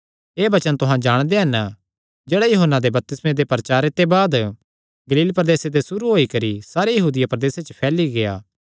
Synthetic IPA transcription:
eːbɐt͡ʃənt̪ʊɦãd͡ʒaːɽ̃d̪eɦɐn | d͡ʒeːɽajoɦənːad̪ebɐp̚t̪ɪsmẽd̪epɐɾt͡ʃaːɾet̪ebaːd̪ | ɡɐliːlpɾəd̪eːsed̪esʊɾuɦoːikɐɾisaːɾejɐɦuːd̪ɪjapɾɐd̪eːset͡ʃəpʰɛːliɡeja̰ː

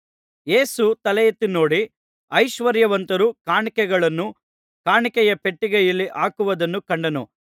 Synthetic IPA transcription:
jeːsut̪ɐlɛjɐt̪ːino̞ːɽi | ɐjʃʋɐɾjɐʋɐnt̪ɐɾukaːɳikɛɡɐɭɐnːu | kaːɳikɛjɐpeʈːiɡɛjɐlːiʔaːkuʋɐd̪ɐnːukɐɳɖɐnu

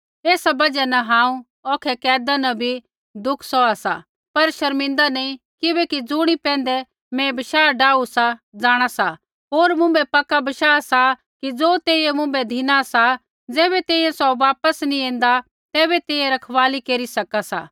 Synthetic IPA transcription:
eːsabɐd͡ʒɛnɐɦãːũ | ɔːkʰɛkɛːd̪anɐbʱi | d̪ʊkʰsɔasa̰ | pɐɾʃɐɾmɪ̃nd̪anɐĩ | kɪbɛkid͡zʊɽ̃ipɛ̃ːn̆d̪ɛ | mɛ̃bɐʃaːɖaːusad͡zaːɽ̃asa | ɦoːɾmʊ̃mbɛpɐkːabɐʃaːsa | kid͡zoːt̪eːijemʊ̃mbɛd̪ʱinasa | d͡zɛːβɛt̪eːijɛ̃sɔʋaːpəsnĩẽːnd̪a | t̪ɛːbɛt̪eːjɛ̃ɾɐkʰʋaːlikeːɾisɐkasa̰ː

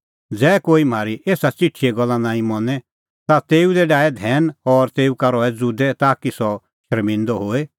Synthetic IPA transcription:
d͡zɛːkoːim̤aːɾiʔeːsat͡siʈʰieɡɔlːãnãːĩmɔnɛ | t̪at̪eːud̪ɛɖaːɛd̪ʱɛːnɔɾt̪eːukaɾɔːɛd͡zuːd̪ɛt̪aːkisɔ | ʃəɾmĩnd̪ɔɦoːe

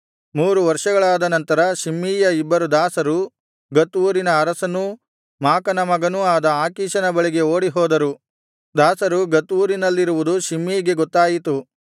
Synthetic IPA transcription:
muːɾuʋɐɾʂɐɡɐɭaːd̪ɐnɐnt̪ɐɾɐʃimːiːjɐibːɐɾud̪aːsɐɾu | ɡɐt̪uːɾinɐːɾɐsɐnu | maːkɐnɐmɐɡɐnuaːd̪ɐaːkiːʃɐnɐbɐɭiɡe̞oːɽiɦɔːd̪ɐɾu | d̪aːsɐɾuɡɐt̪ʋuːɾinɐlːiɾuʋud̪uʃimːiːɡe̞ɡɔt̪ːaːjit̪u

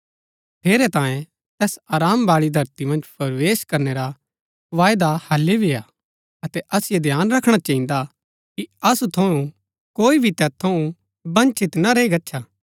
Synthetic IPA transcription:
pʰeːɾɛt̪ãːjẽ | t̪ɛːsaːɾaːmbaːɭid̪ʱɐɾt̪imɐ̃nd͡ʒpɐɾʋeːʃkɐɾneɾa | ʋaːjd̪ahɐlːebɪja | ɐt̪ɛʔɐsɪjed̪ʱjaːnɾɐkʰɽ̃at͡ʃɐ̃ːĩnd̪a | kiɐsut̪ʰɐũ | koːibʱit̪ɛːt̪ʰːɐũ | bɐ̃nt͡ʃɪt̪nɐɾeiɡɐtːʃʰaː

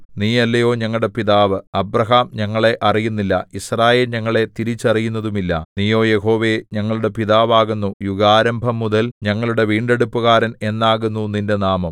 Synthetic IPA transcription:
niːɐlːɐjo̞ːɲɐŋːɐɭɽe̞piðaːʋɨɐbrɐɦaːmɲɐŋːɐɭe̞ʔɐrijunːilːɐ̰israːje̞ːlɲɐŋːɐɭe̞t̪iɾit͡ɕːɐrijunːɐðumilːɐ̰niːjo̞ːje̞ɦo̞ːʋe̞ɲɐŋːɐɭuɽe̞piðaːʋaːɣunːujuɣaːɾɐmbʱɐmːuðɐlɲɐŋːɐɭuɽe̞ʋiːɳɖe̞ɽupːuɣaːɾɐne̞nːaːɣunːunindenaːmɐm

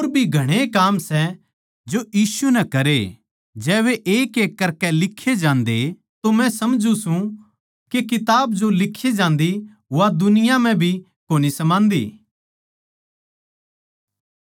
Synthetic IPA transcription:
oːɾbʱiɡʱɐɽ̃ekaːmsɛ | d͡ʒojiːsunɛkɐɾe | d͡ʒɛːʋeʔeːkeːkːɐɾkɛlɪkʰːed͡ʒãːnd̪e | t̪omɛ̃sɐmd͡ʒũsũ | kekɪt̪aːbd͡ʒolɪkʰːed͡ʒãːnd̪i | ad̪ʊnɪjamɛ̃bʱi | koːnisɐmãːnd̪ḭː

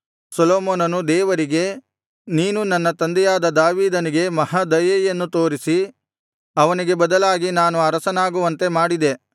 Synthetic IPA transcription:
sɐloːmoːnɐnud̪ɛːʋɐɾiɡe̞ | niːnunɐnːɐt̪ɐnd̪ɛjaːd̪ɐd̪aːʋiːd̪ɐniɡe̞mɐhad̪ɐjeːjɐnːut̪oːɾisi | ɐʋɐniɡe̞bɐd̪ɐlaːɡinaːnuɐɾɐsɐnaːɡuʋɐnt̪e̞maːɽid̪e̞

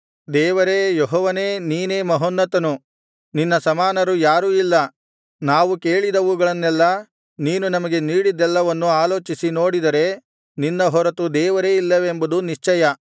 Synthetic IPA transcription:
d̪ɛːʋɐɾejɔɦɔːʋɐne̞ːniːne̞ːmɐɦonːɐt̪ɐnu | ninːɐsɐmaːnɐɾujaːɾuːilːɐ | naːʋuke̞ːɭid̪ɐʋuɡɐɭɐnːɛlːɐ | niːnunɐmɐɡe̞niːɽid̪ɛlːɐʋɐnːuaːloːt͡ʃisino̞ːɽid̪ɐɾe̞ | ninːɐɦɔɾɐt̪ud̪ɛːʋɐɾeːilːɐʋembɐd̪uniʂt͡ʃɛjɐ

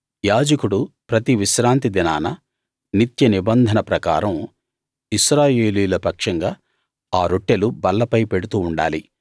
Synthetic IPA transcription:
jaːd͡ʒɐkuɽupɾɐt̪iʋiʃɾaːnt̪id̪ina̰ːnɐ | nit̪jɐnibɐnd̪ʱɐnɐpɾɐka̰ːɾɐm | iʃɾaːjeːliːlɐpɐkʂɐŋɡaː | aːɾoʈːelubɐlːɐpɐjpe̞ɽut̪uːɳɖa̰ːli

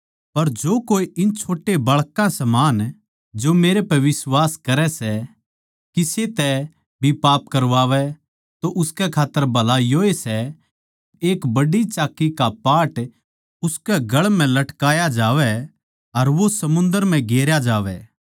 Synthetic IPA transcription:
pɐɾd͡ʒoːkoːiʔɪnt͡ʃʰoːʈebɐɭkãsɐmaːn | d͡ʒomeːɾepɛʋɪsʋaːskɐɾɛsɛ | kiset̪ɛ | bʱipaːpkɐɾʋaːʋɛ | t̪oʔʊskɛkʰaːt̪ːəɾbʱɐlajoːesɛ | eːkbɐɽit͡ʃaːkːikapaːʈ | ʊskɛɡɐɭm̤ɛ̃lɐʈkaːjad͡ʒaːʋɛ | ɐɾʋosɐmʊ̃nd̪əɾmɛ̃ɡeːɾjad͡ʒaːʋɛː

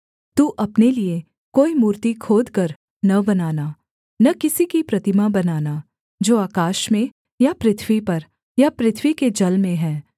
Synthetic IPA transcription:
t̪uːʔɐpnelie | koːimuːɾt̪ikʰoːd̪kɐɾ | nɐbɐnaːna | nɐkɪsikipɾɐt̪ɪmabɐnaːna | d͡ʒoːaːkaːʃmẽ | japɾɪt̪ʰwipɐɾ | japɾɪt̪ʰwiked͡ʒɐlmẽɦɛ̃ː

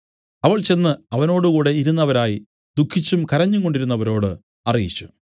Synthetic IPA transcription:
ɐʋɐɭt͡ɕe̞nːɨɐʋɐno̞ːɽɨkuːɽe̞iɾunːɐʋɐɾaːji | d̪ukʰːit͡ɕːumkɐɾɐɲːuŋko̞ɳɖiɾunːɐʋɐɾo̞ːɽɨ | ɐrijḭt͡ɕːu̥

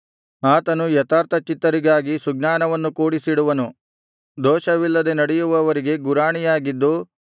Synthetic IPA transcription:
aːt̪ɐnujɐt̪aːɾt̪ʰɐt͡ʃit̪ːɐɾiɡaːɡisuɡnaːnɐʋɐnːukuːɽisiɽuʋɐnu | d̪ɔːʃɐʋilːɐd̪e̞nɐɽɛjuʋɐːʋɐɾiɡe̞ɡuɾaːɳijaːɡid̪ːu

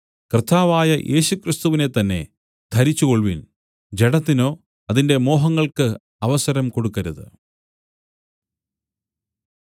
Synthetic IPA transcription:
krɨt̪ːaːʋaːjɐʔe̞̰ːɕukrist̪uʋine̞t̪ːɐnːe̞ | d̪̥ʰʱɐɾit͡ɕːuko̞ɭʋin | d͡ʑe̞ɽɐt̪ːino̞ː | ɐðinde̞mo̞ːɦɐŋːɐɭkɨ | ɐʋɐsɐɾɐmkoɽukːɐɾuðɨ̰

